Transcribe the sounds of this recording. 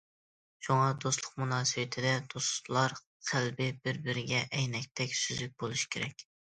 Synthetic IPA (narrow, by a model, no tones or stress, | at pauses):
ʃuŋɑd̪oslˠʊqmunɑːsɨwɪt̪ʰɪd̪ɛd̪̥oslˠɑɾ | qʰælbɪbɪɾbɪɾɪɡʲɛʔɛjnɛk̚ʲt̪ʰɛkʲsyzyk̚ʲbolˠuʃi̥kʲʰeɾɛkʲ